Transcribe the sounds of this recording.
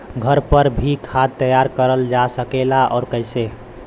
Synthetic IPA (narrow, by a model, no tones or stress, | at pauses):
ɡʱəɾpəɾbʱikʰad̪̚t̪ːəjaɾkəɾəld͡ʒasəkelaɔ̰ɾkəɪse